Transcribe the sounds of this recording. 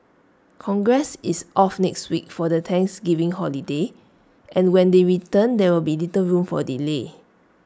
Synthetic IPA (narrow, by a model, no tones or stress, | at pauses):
kʰɔ̃ŋɡɹɛsisʔɔfnɛkstwik̚fɔdətʰɛ̃ŋksɡivĩŋhɔlide | ʔʔɛ̃nwɛ̃ndeɹitə̃ndɛwilbilitəɹũmfɔ̰dile